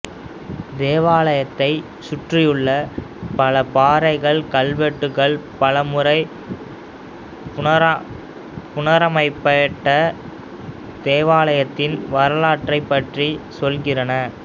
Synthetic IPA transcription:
d̪eːʋaːlɐjɐt̪ːɐɪ | sʊʈrɪjɯɭːɐ | pɐlɐpaːɾɐɪɣɐɭkɐlʋɛʈːɯɣɐɭpɐlɐmɯɾɐɪ | pʊɐɾ | pʊnɐɾɐmɐɪpːɐjɐʈːɐ | d̪̥eːʋaːlɐjɐt̪ːɪnʋɐɾɐlaːʈrɐɪpːɐʈrisɔlɣɪrɐnɐ

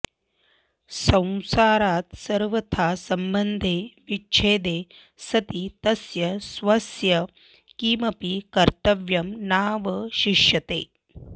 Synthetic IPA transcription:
sɐ̃w̃saːɾaːt̪sɐɾʋɐt̪ʰaːsɐmbɐnd̪ʱeːʋit͡ʃʰeːd̪eː | sɐt̪it̪ɐsjɐsʋɐsjɐ | kiːmɐpikɐɾt̪ɐʋjɐmnaːʋɐʃiʃjɐt̪eː

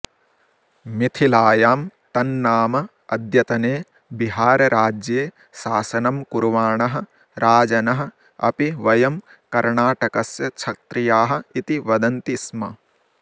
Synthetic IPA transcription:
mit̪ʰilaːjaːmt̪ɐnːaːmɐ | ɐd̪ʱjɐt̪ɐneː | biɦaːɾɐɾʔaːd͡ʒjeː | saːsɐnɐmkuɾuʋaːɳɐɦɐ̆ | ɾʔaːd͡ʒɐnɐɦɐ̆ | ɐ̰piʋɐjɐm | kɐɾɳaːʈɐkɐsjɐt͡ʃʰɐt̪ɾijaːɦɐ̆it̪iʋɐd̪ɐnt̪ismɐ

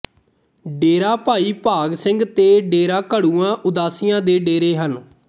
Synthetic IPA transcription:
ɖeːɾaːpaːiːpaːɡsɪ̃ŋɡt̪eːɖeːɾãːkəɽuːãːʔʊd̪aːsɪjãːd̪eːɖeːɾeːɦən

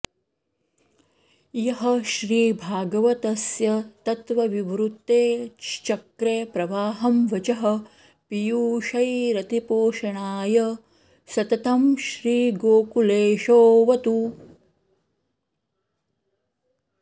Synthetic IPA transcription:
jɐɦɐ̆ʃɾiːbʱaːɡɐʋɐt̪ɐsjɐt̪ɐt̪ʋɐʋiʋɾut̪ːeːt͡ʃɐkɾeːpɾɐʋaːɦɐmʋɐt͡ʃɐɦɐ̆ | pijuːʃɐjɾɐt̪ipoːʃɐɳaːjɐ | sɐt̪ɐt̪ɐmʃɾiːɡoːkuleːʃoːʋɐt̪u

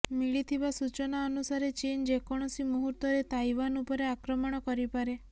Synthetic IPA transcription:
miɭit̪ʰibasut͡ʃɔnaɔnusaɾet͡ʃind͡ʒekɔɽ̃ɔsimuɦuɾt̪ɔɾet̪ajʋanupɔɾeakɾɔmɔɽ̃ɔkɔɾipaɾe

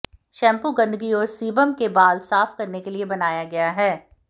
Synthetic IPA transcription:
ʃɛ̃ːmpuɡɐ̃nd̪əɡiɔːɾsiːbəmkebaːlsaːfkɐɾnekeliebɐnaːjaɡɐjaɦɛː

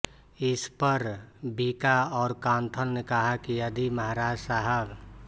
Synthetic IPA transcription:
ɪspəɾbiːkaɔːɾkãːnt̪ʰəlnekəɦakijəd̪iməɦaɾaːd͡ʒsaɦəb

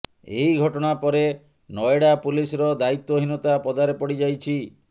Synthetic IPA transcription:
ḛɦiɡʱɔʈɔɽ̃apɔɾe | nɔeɽapulisɔɾɔd̪ait̪ːoɦinot̪apɔd̪aɾepɔɽid͡ʒajt͡ʃʰi

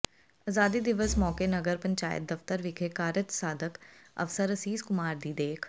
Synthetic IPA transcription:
aːzaːd̪id̪ɪʋəsmɔːkenɐɡəɾpɐ̃ɲt͡ʃaːjə̰t̪̚d̪ɐft̪əɾʋɪkʰekaːɾət͡ʃsaːd̪əkɐ̰fsəɾɐsiːskʊmaːɾd̪iːd̪eːkʰ

